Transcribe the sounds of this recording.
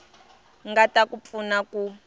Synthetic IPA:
ŋɡatakup̪funaku

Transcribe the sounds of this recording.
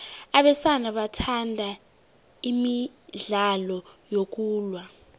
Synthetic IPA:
aɓɛsanaɓatʰandʱa | imiɮalɔjok̬uːlwa

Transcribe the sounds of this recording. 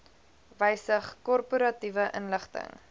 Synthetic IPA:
vəjsəχkɔrpuɾɐtivəʔənləχtə̰ŋ

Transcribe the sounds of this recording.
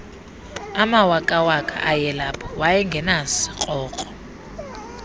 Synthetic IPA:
amawakʼawakʰa̰ʔajɛlapʰɔ̥wajɛŋɡʱɛnasi̥qʼɔːkʼɔ̥

